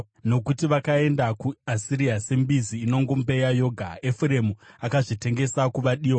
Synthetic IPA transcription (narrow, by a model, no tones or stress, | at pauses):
no̞kutiʋakae̞ndakuasiɾiase̞mbiziːno̞ŋɡombe̞jajo̞ɡʱaefuɾemuakaʐite̞ŋɡe̞sakuʋaɗiːwa